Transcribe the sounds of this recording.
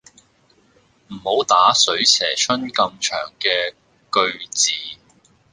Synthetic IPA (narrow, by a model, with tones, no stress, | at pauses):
m̩˨˩ho˨˥wt̪aː˨˥sɵ˨˥ɥsʰɛː˨˩t͡ʃʰɵ˥nkɐ˧mt͡ʃʰœ̰ː˨˩ŋkɛː˧ | kɵ˧ɥt͡siː˨